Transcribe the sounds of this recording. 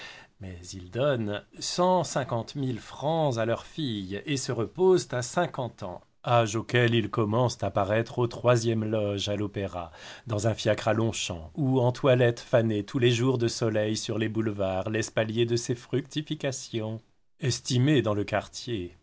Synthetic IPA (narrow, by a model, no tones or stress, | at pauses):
mɛzild̪ɔnsɑ̃sɛ̃kɑ̃t̪milfχɑ̃zalœʁfijesəʁəpozt̪asɛ̃kɑ̃t̪ɑ̰̃ | aʒokʲɛlilkɔmɑ̃st̪apaʁɛt̪χot̪χwazjɛmlɔʒalopeʁa̰d̪ɑ̃zɛ̃fjakχalɔ̃ʃɑ̰̃uɑ̃t̪walɛt̪fanet̪ʰuleʒuʁd̪əsɔlɛjsyʁlebulvaːʁlɛspaljed̪əsefχyk̚t̪ifikasjɔ̃ | ɛst̪imed̪ɑ̃ləkaʁt̪je